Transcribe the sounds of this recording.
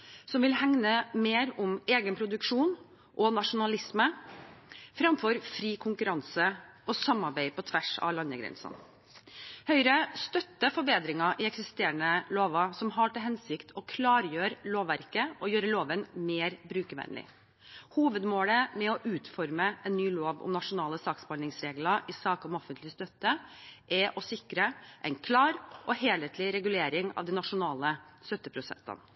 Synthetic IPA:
sɔmʋɪlhɛŋnəmeːɾʊmeːɡənpʰɾʊd̪ʉkʂuːn | ʔɔnɑʂʊnɑlɪsmə | fɾɑmfɔɾfɾiːkʰʊŋkʉɾɑnsə | ɔsɑmːɑɾbæɪpʰɔt̪ʰʋæʂɑ̰ʋlɑnəɡɾɛ̰nsə̰n | hœʏɾəst̪œt̪ːəfɔɾbeːd̪ɾɪŋɑʔɪɛksɪst̪eːɾəɳəloːʋɑsɔmɦɑʈɪlɦɛnsɪkt̪ʰɔkʰlɑːɾjøːɾloːʋːæɾkəɔjøːɾəloːʋənmeːɾbɾʉːkəʋɛ̰nlɪ̰ | huːʋəd̪moːləmɛɔʔʉːt̪fɔɾməɛnːyːloːʋɔ̰mnɑʂʊnɑːləsɑːkspɑlnɪŋsɾeːɡlɑʔɪsɑːkɔmɔfənt̪lɪst̪œt̪ːəʔɛʔɔsɪkɾəʔɛɪnkʰlɑːɾɔheːleːt̪ʰlɪɾɛɡʉleːɾɪŋɑ̰ːʋd̪ɪnɑʂʊnɑːləst̪œt̪ːəpʰɾʊsɛ̰nt̪ə̰n

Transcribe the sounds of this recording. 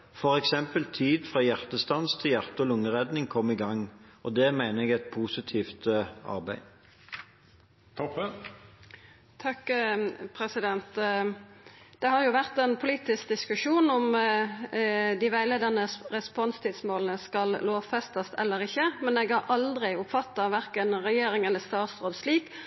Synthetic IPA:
fɔɾɛksɛmpəlt̪ʰiːd̪fʁɑːjæʁt̪əst̪ɑnst̪ʰɪljæʁt̪əɔlʊŋːəʁɛd̪nɪŋkʰɔmːɪɡɑŋːɔd̪ɛːmæɪnəɛɡɛt̪̚pʰuːsɪt̪ʰiːft̪ɑ̰ʁbæɪ | t̪ʰɔp | t̪ʰɑkpʰʁɛsɪd̪ɛnt̪ | d̪̥ɛɦɑʁjʊʋæʁt̪ɛnpʰʊliːt̪ɪsk̚d̪ɪskʉʂuːnɔm | d̪ɪʋæɪleːd̪ɑnəʁɛspɔnst̪ʰɪd̪smoːlnəskɑlloːfɛst̪ɑst̪ʰɛ̰lːəʁɪçːəmɛneːɡhɑɾʔɑld̪ʁɪʊpfɑt̪ːɑʋæʁkənʁɛjeːɾɪŋɛlːəst̪ɑːt̪sʁoːd̪sliːk

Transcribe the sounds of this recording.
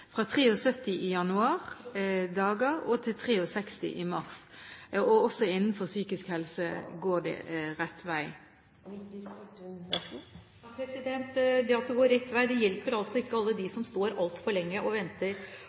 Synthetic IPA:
fʁɑt̪ʰʁeːʊsœt̪ːɪʔɪjɑnʉɑːʁd̪ɑːɡəʁɔt̪ʰɪlt̪ʰʁeːʊsɛkst̪ɪ̰ʔɪmɑʁs | ɔɔsːɔɪnːn̩fɔsyːkɪskhɛlsəɡoːʁd̪ɛ̰ɾɛt̪ːʋæɪ | ɑpʰɾɛsɪd̪ɛnt̪d̪ɛɑt̪d̪ɛɡoːɾɛt̪ːʋæɪd̪ɛjɛlpəɾɑlsɔɪkːəɑlːəd̪ɪsɔmst̪oːɾɑlt̪fɔɾɭɛŋːəʔɔʋɛnt̪əɾ

